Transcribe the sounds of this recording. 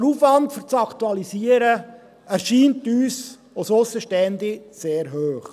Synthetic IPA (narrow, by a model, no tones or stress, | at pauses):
ɾuːfʋɑntfyɾt͡sɑktuɑlisiːəɾə | æɾʃiːntyːs | ososəʃtɛndɪseːɾɦøːχ